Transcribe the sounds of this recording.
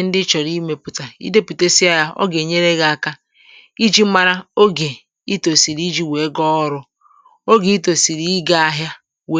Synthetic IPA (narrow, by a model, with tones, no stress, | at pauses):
n̩˦dɪ˦t͡ʃɔ˨ɾi˦me˨pʊ˨ta˨ḭ˦de˦pi˨te˦si˦a˦ja˦ɔ̰˦ɡe˨ɲe˦ɾe˦ɡa˨a˨ka˦ | i˦d͡ʒi˦ma˦ɾa˦o˦ɡe˨ | i˦to˨si˨ɾi˦d͡ʒi˦we˨e˦ɡɔ˦ɾʊ˦ | o˦ɡe˨i˦to˨si˨ɾi˦i˦ɡa˦a˦ɦja˦ | we˨˦